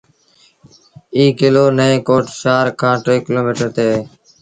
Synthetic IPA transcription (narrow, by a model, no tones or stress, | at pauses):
iːkɪloːnəẽːkoːʈʃaːɾkʰãːʈɾeːkɪloːmiːʈəɾt̪eː